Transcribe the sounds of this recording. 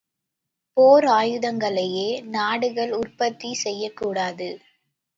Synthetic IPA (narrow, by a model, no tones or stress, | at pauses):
poːɾaːjɯðɐŋɡɐɭɐjeːnaːɽɯɣɐɭʊrpɐt̪ːisɛjːɐkːuːɽaːðɯ